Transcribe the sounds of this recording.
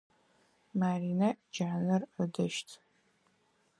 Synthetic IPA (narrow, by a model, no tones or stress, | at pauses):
maːriːnɐʔd͡ʒaːnɐrədɐʃtʰ